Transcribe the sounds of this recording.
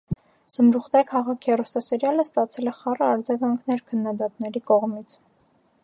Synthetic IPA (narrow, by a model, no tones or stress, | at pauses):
z̥əmɾuχd̪ɛkʰɑʁɑkʰɛrɔsɑsəɾjɑləst̪ɑt͡sʰɛlɛχɑrəɑɾd͡zɑɡɑŋkʰnɛɾkʰənːɑd̪ɑt̪nɛɾikɔʁmit͡sʰ